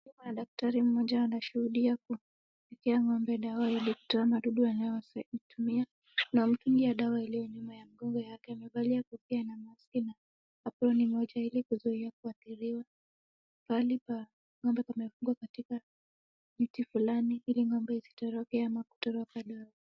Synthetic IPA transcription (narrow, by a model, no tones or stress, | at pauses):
mɗak̚taɾim̩mɔʄaːnaʃuhuɗiaku | fikɛaŋɔmbɛɗawailiku̥tɔamaɗuɗuanajɔitumia | nam̩tuŋɡiaɗawailijɔɲumajam̩ɡɔŋɡɔjakɛamɛvaliakukianamaskinaː | pɾɔnimɔʄailikuzuiakuaθiɾiwa | palipa | ŋɔmbɛpamɛfuŋɡwakatika | mitifulaniiliŋɔmbɛizi̥tɔɾɔkɛamaku̥tɔɾɔkaɗawa